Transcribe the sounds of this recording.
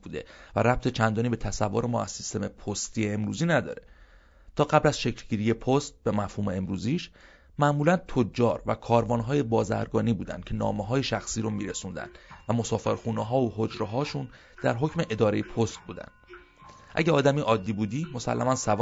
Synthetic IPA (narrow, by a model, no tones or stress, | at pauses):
buːd̪e̞̰væɾæp̚t̪ʰe̞t͡ʃʰænd̪ɒːnibe̞t̪ʰæsævːoɾemɒ̰ːæ̰z̥sist̪e̞me̞pʰost̪iːeemɾuːziːnæd̪ɒ̰ːɾe̞ | t̪ʰɒːɢæblæz̥ʃe̞cʰlɟiːɾije̞pʰost̪̚bemæfhuːmeemɾuːziːʃ | mæʔmuːlænt̪ʰod͡ʒːɒːɾvæ̰kʰɒːɾvɒːnɦɒːje̞bɒːzæ̰ɾɡɒːniːbuːd̪æ̰nd̪̚cʰe̞nɒ̰ːmeɦɒːje̞ʃæxsiːɾomiːɾesund̪æ̰nvæmo̞sɒːfeɾxuːneɦɒːoɦo̞d͡ʒɾeɦɒːʃun | d̪̥æ̰ɾɦo̞cʰme̞ʔed̪ɒːɾe̞jepʰost̪̚buːd̪æ̰nd̪̥ | ʔæ̰ɟeɒːd̪æmiːʔɒːd̪ːiːbuːd̪iːmo̞sæ̰lːæmænsæv